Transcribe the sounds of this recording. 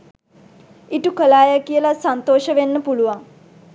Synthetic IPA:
iʈukəlaːjakijəlasant̪oːʃəʋenːəpuluʋaŋ

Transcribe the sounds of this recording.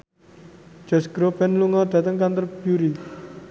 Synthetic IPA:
d͡ʒ̥ɔ̤sɡ̥ɾobɛnluŋɔd̪̥ä̤t̪əŋkant̪ərb̥juɾi

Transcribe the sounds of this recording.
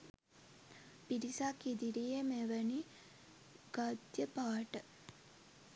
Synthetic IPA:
piɾisakid̪iɾijəmeʋəni | ɡ̥ad̪jəpaːʈə

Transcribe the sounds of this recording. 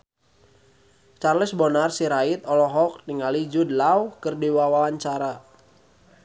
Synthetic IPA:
t͡ʃarləsbɔnarsiɾait̪ɔlɔɦɔk̚niŋalid͡ʒudlauhkɨrdiwawawaɲt͡ʃaɾa

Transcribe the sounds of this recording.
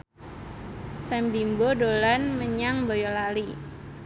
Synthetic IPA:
sɛmbimbodolanməɲaŋbojɔlali

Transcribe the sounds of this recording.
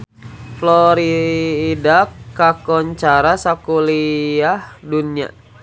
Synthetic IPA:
flɔɾidakakɔɲt͡ʃaɾasakuliahduna̰

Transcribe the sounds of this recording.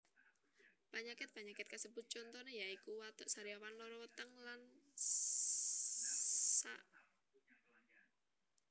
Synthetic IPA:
paɲakɪt̪̚paɲakɪt̪̚kasəbut̪̚t͡ʃɔnt̪ɔnejaikuwat̪ɔʔsaɾiawanlɔɾɔwət̪əŋlan | sa̰ʔ

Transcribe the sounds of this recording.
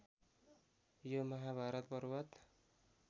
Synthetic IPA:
jomʌɦabʱaɾʌt̪̚bʌɾuwat̪

